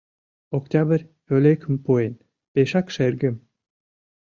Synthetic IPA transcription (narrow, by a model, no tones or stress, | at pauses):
oktʲɑbərʲ | ølekʰə̆mpuen | peʃɑkʃerɡə̆m